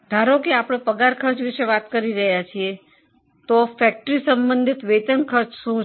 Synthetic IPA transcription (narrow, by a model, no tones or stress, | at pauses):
d̪ʱaɾokeapɽ̃opəɡaɾkʰəɾt͡ʃʋiʃeʋat̪kəɾiɾəɦjat͡ʃʰie | t̪ofɛk̚ʈɾisə̃mbənd̪ʱit̪ʋet̪ənkʰəɾt͡ʃʃũ